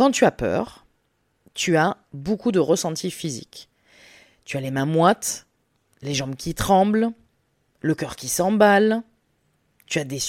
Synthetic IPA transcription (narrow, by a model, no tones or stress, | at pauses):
kɑ̃t̪yapœ̰ːʁ | t̪ya | bokud̪əʁəsɑ̃t̪ʰifizḭk | t̪yalemɛ̃mwat̪ | leʒɑ̃bkʲit̪χɑ̃bl | ləkʲœʁkʲisɑ̃bal | t̪yad̪es